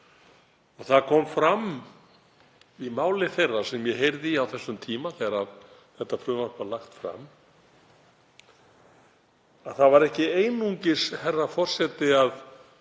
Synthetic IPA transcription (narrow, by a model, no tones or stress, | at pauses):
ɔɣθaðkʰɔmfɾam | imaːwlɪθejrːḁsɛmjɛɦejɾðɪawθɛsːʏmt̪ʰiːmaθɛɾað | θɛht̪ːafɾʏːvanpalaxt̪fɾa̰m | aðθaðvaɾɛhcɪeːjnuɲcɪshɛrːafɔr̥sɛt̪ɪað